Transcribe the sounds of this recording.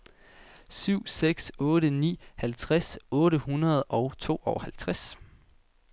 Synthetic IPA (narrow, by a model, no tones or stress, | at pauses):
syʊ̰seɡ̥sɔ̽ːɾənḭːhælt͡sʰʁasɔ̽ːɾəhunɐð̞̩ˠɒ̽ʊt͡sʰo̝̰ːɒʊhælt͡sʰʁas